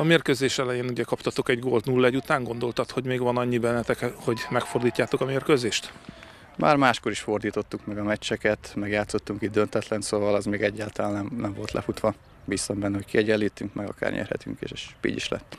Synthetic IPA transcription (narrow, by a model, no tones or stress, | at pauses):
ɒmeːrkøzeːʃɛlɛjeːnuɟɛkɒpt̪ɒt̪o̞kɛɟɡolt̪nulːɒɛɟut̪aːŋɡo̞nd̪o̞lt̪ɒt̪ho̞ɟmeːɡʋɒnɒɲːibɛnːɛt̪ɛkho̞ɟmɛkford̪iːcːaːt̪o̞kɒmeːrkøzeːʃt̪ | ma̰ːrmaːʃkoɾiʃfo̞rd̪iːt̪o̞t̪ːukmɛɡɒmɛt͡ʃːɛkɛt̪mɛɡjaːt̪so̞t̪ːuŋkiːd̪d̪ønt̪ɛt̪lɛnsoːvɒlɛzmeːɡɛɟːaːlt̪ɒlaːnːɛmnɛmvo̞lt̪lɛ̰fut̪ʋɒ | bisombɛnːɛɦockiɛɟɛlːiːt̪ːyŋkmɛɡɒ̰ka̰ːrɲɛ̰rhɛ̰t̪y̰ŋkḛːʃʃpḭːɟḭʃlɛ̰t̪ː